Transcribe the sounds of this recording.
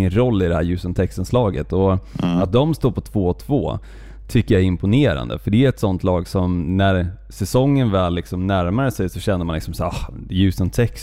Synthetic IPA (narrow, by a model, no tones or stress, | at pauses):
ənɾɔlːɪd̪ɛhæːɾjʉ̟ːsənt̪ʰɛkst̪ənslɑːɡə̰t̪ɔat̪̚d̪ɔmst̪uːɾpʰɔt̪ʰv̥oːɔt̪ʰv̥o̰ː | t̪ʰʏkːəɾjɑaæɾɪmpʊneːɾa̰nd̪ə̰fəɖɛæɾɛt̪sɔnt̪lɑːɡsɔmnæɾ | sɛsɔŋːənvɛːlːɪksɔmnæɾmaɾəsɛjsɔɕɛnd̪əmanɪksɔmsæːɑjʉ̟ːsənt̪ʰɛks